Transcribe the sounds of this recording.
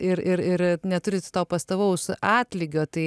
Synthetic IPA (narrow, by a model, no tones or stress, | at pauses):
ɪɾɪɾɪɾnʲɛt̪ʊɾʲɪt̪t̪oːpɐst̪ɐʋɐʊsɑːt̪ʲlʲɪɡʲoːt̪ɐɪ